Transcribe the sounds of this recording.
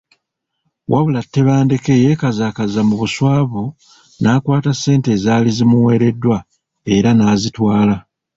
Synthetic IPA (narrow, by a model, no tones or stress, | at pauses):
wʔaβulatːe̞βaːnde̞ke̞je̞kazaːkazamuβuswaːβu | naːkwaːtasːe̞ːnte̞ːzaːlizimuwe̞ːɾe̞dːwa | e̞ɾanaːzitwaːla